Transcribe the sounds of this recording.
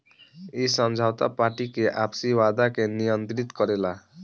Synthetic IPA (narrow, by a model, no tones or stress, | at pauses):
isʌmd͡ʒʱawt̪apaɾʈikeʔapsiwad̪akenijʌnt̪ɾit̪kʌɾela